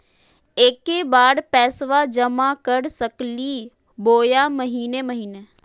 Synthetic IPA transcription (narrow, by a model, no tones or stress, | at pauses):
eːkebaːɽpɛːsʋad͡ʒəmakəɽsəkliː | boːjaːməɦiːneməɦiːne